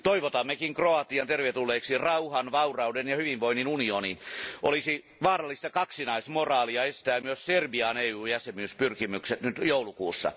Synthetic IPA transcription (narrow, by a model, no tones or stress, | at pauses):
t̪oiʋot̪ɑmːekiŋkroɑt̪iɑnt̪erʋet̪ulːˑeːksirɑuhɑnʋɑurɑudenjɑhyʋiʋʋoininunioninʔolisi | ʋɑːrɑlːist̪ɑkɑksinɑismorɑːliɑest̪æːmyøsserbiɑːneːuːjæsemyːspyrkimykset̪nyt̪joulukuːsːɑ̰